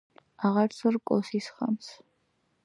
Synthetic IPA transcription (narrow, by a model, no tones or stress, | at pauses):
aʁaɾsʰɔɾkʼɔ̰sisχa̰ms